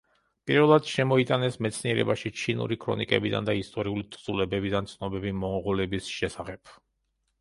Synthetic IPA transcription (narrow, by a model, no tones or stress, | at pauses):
pʼiɾvɛlˠad̪̥ʃɛmɔit̪ʼanɛsmɛt̪sʰniɛɾɛ̰baʃit͡ʃʰinṵɾikʰɾɔ̰nikʼɛ̰bid̪a̰nd̪aist̪ʼɔɾiulit̪ʼʰd̪zulɛbɛbid̪ant̪sʰnɔbɛbimɔŋʁɔlɛbisʃɛsaχɛb̥̚ʰ